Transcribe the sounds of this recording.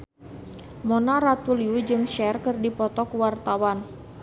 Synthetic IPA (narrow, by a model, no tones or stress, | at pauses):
monaɾat̪uliud͡ʒɨŋʃɛrkɨrdipɔt̪ɔkuwart̪awan